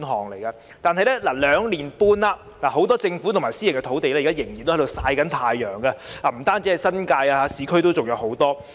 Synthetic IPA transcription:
nɦɔː˨˩ŋle˨˩jkaː˧ | t̪aː˨˧nɦɐ˨jlɛː˥laː˨˩lœː˨˧ŋliː˨˩npuː˧nlaː˨˧ | laː˨˩ɦo˨˥wt̪ɔː˥t͡sɪ˧ŋfu˨˥t̪ʰʊ˨˩maː˨˩si˥jɪ˨˩ŋkɛ˧t̪ʰo˨˥wt̪e˨jlɛː˥˨˩a˥jɪ˨˩ŋjnt̪o˥hto˧wsaː˧jkɐ˨˥nt̪ʰaː˧jːœː˨˩ŋɡa˧laː˨˩m̩˨˩t̪aː˥nt͡si˨˥hɐ˨jsɐ˥nkaː˧jaː˧haː˨˥siː˨˥kʰɵ˥ɥt̪o˥wt͡sʊ˨k̚jɐ˨˧who˨˥wt̪ɔː˥

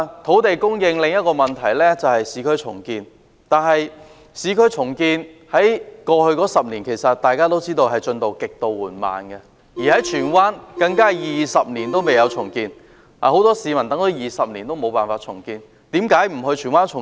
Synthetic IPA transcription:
t̪ʰo˨˥wt̪e˨jkʊ˥ŋjɪ˧ŋlɪ˨ŋjɐ˥t̚kɔː˧mɐ˨nt̪ʰɐ˨˩jlɛː˥t͡sɐ˨whɐ˨jsiː˨˧˥kʰɵ˥ɥt͡ʃʰʊ̰˨˩ŋkiː˧n | t̪aː˨˧nɦɐ˨j | siː˨˥kʰɵ˥ɥt͡ʃʰʊ˨˩ŋkiː˧nhɐ˨˥jkɔː˧hɵ˧ɥkɔː˨˥sɐ˨p̚niː˨˩nkʰe˨˩jsɐ˨t̚t̪ːaː˨jkaː˥t̪o˥wt͡siː˥t̪o˧wɦɐ˨jt͡ʃɵ˧nt̪o˨wkɪ˨k̚t̪o˨˧wwuː˨˩nma̰ː˨˧nɡɛ˧ | jiː˨˩hɐ˨˥jt͡ʃʰyː˨˩nwaː˥nkɐ˧ŋkaː˥jiː˨˩sɐ˨p̚niː˨˩nt̪o˥wme˨jɐ˨˧wt͡ʃʰʊ˨˩ŋkiː˧n | a̰ː˨˩ho˨˥wt̪ɔː˥siː˨˧mɐ˨˩nt̪ɐ˨˥ŋt̪o˨˥wjiː˨sɐ˨p̚ni˨˩nt̪o˥wmo˨˧wpaː˨˩nfaː˧t̚t͡ʃʰʊ˨˩ŋkiː˧n | t̪iː˨˥mkaː˨˥jm̩˨˩ɦɵ˧ɥt͡ʃʰyː˨˩nwaː˥nt͡ʃʰʊ˨˩

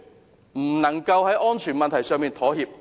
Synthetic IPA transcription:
m̩˨˩nɐ˨˩ŋkɐ˧whɐ˨˥jʔɔː˥nt͡ʃʰyː˨˩nmɐ˨nt̪ʰɐ˨˩jsœː˧ŋmiː˧nt̪ʰɔː˨˥hiː˨˧p̚

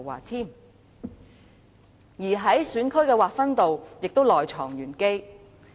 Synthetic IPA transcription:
wa̰ː˨˩t̪ʰiː˥˩m | jiː˨˩ɦɐ˨˥jsyː˨˥nkʰɵ˥ɥkɛː˧waː˨k̚fɐ˥nt̪o˨wjɪ˨k̚t̪o˥wlɔː˨jt͡ʃʰɔ̰ː˨˩ŋjyː˨˩nke˥j

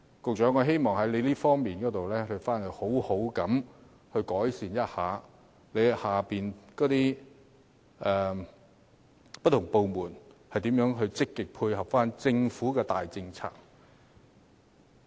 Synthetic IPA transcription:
kʊ˨k̚t͡ʃœː˨˥ŋɔː˨˧ɦe˥jmɔː˨ŋɦɐ˨˥jle˨˧liː˥fɔː˥ŋmiː˨˩nkɔː˨˥t̪o˨wlɛː˥hɵ˧ɥfaː˥nhə˨˧ho˨˥who˨˥wkɐ˨˥m | hɵ˧ɥkɔː˨˥jsiː˨njɐ˥t̚haː˨ | le˨˧jhaː˨˩piː˨˩nkɔː˨˥t̪iː˥ | ʔɛː˨ | pɐ˥t̪̚ʰʊ˨˩ŋpo˨˧wmuː˨˩nhɐ˨jt̪iː˨˥mjœː˨˥ŋɦɵ˧ɥt͡sɪ˥kːɪ˨k̚pʰuː˧jhɐ˨p̚faː˥nt͡sɪ˧ŋfuː˨˥kɛː˧t̪aː˨jt͡sɪ˧ŋt͡sʰa̰ː˧˥k̚

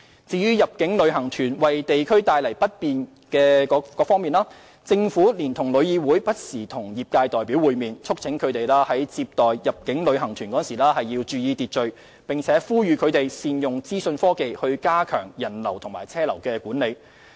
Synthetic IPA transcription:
t͡siː˨˧jyː˥jɐ˨p̚kɪ˨˥ŋlɵ˨˧ɥɦɐ˨˩ŋt̪ʰyː˨˩nwɐ˨˩jt̪e˨jkʰɵ˥ɥt̪aː˧jlɐ˨˩jpɐ˥t̚piː˨n | kɛː˧kɔ˨˥kɔː˨˥fɔː˥ŋmiː˨nlaː˥ | t͡sɪ˧ŋfuː˨˥liː˨˩nt̪ʰʊ˨˩ŋlɵ˨˧ɥjiː˧wuː˨˥jpɐ˥t̚siː˨˩t̪ʰʊ˨˩ŋjiː˨p̚kaː˧jt̪ɔː˨jpiː˨˥wuː˨˧jmiː˨nt͡sʰʊ˥k̚t͡sʰɪ˨˥ŋkʰɵ˨˧ɥt̪e˨jlaː˥hɐ˨˥jt͡siː˧p̚t̪ɔː˨˩jjɐ˨p̚kɪ˨˥ŋlɵ˨˧ɥhɐ˨˩ŋt̪ʰyː˨˩nkɔː˨˥˨nsiː˨˩laː˥hɐ˨jːi˧wt͡ʃyː˨˧jiː˧t̪iː˨t̚t͡ʃɵ˨ɥ | pɪ˨ŋt͡sʰɛː˨˧˥fuː˥jyː˨˧kʰɵ˨˧t̪e˨jsiː˧njʊ˨ŋt͡siː˥sɵ˧nfɔː˥ke˨jhɵ˧ɥkaː˥kʰœ̰ː˨˩ŋjɐ˨˩nlɐ̰˨˩wt̪ʰʊ˨˩ŋmaː˨˩jt͡sʰɛː˥lɐ˨˩wkɛː˧kuː˨˥nle˨˧j

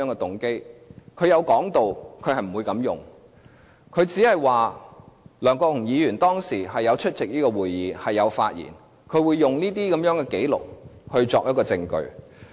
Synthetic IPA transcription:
œː˨˥ŋɛː˧t̪ʊ˨˥ŋke˥jkʰɵ˨˧ɥjɐ˨˧wkɔː˨˥ŋt̪o˨wkʰɵ˧hɐ˨jm̩˨˩u˨˧jkɐ˨˧˥mjʊ˨ŋ | kʰɵ˨˧ɥt͡siː˨˥hɐ˨jwaː˨ | lœː˨˩ŋkɔː˧k̚hʊ˨˩ŋjiː˨˧jyː˨˩nt̪ɔː˥ŋsiː˨˩ɦɐ˨jːɐ˨˧wt͡ʃʰɵ˥t̚t͡sɪ˨k̚niː˥kɔː˧wuː˨jːiː˨˧hɐ˨jːɐ˨˧wfa̰ː˧t̚jḭː˨˩n | kʰɵ˨˧ɥwuː˨˧jːʊ˨ŋniː˥t̪̬iː˥kɐ˨˦mjœː˨˥ŋkɛ˧ke˨˥jlʊ̰˨k̚hɵ˧ɥt͡sɔː˨k̚jɐ˥kɔː˧t͡sɪ˧ŋkɵ̰˧ɥ

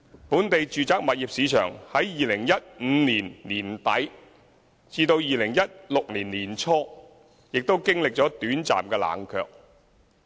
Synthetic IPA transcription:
puː˨˥nt̪e˨jt͡ʃyː˨t͡saː˨˥k̚mɐ˨t̚jiː˨p̚siː˨˧˥t͡ʃʰœ̰ː˨˩ŋhɐ˨˥jjiː˨lɪ˨˩ŋjɐ˥t̚ŋ̩ː˨˧niː˨˩nliː˨˩nt̪ɐ˨˥j | t͡siː˧t̪o˧wjiː˨lɪ˨˩ŋjɐ˥t̚lʊ˨k̚liː˨˩nliː˨˩nt͡ʃʰɔː˥ | jɪ˨k̚t̪o˥wkɪ˥ŋlɪ˨k̚t͡ʃɔː˨˥t̪yː˨˥nt͡sa̰ː˨mkɛː˧la̰ː˨˩ŋkʰœ̰ː˧k̚

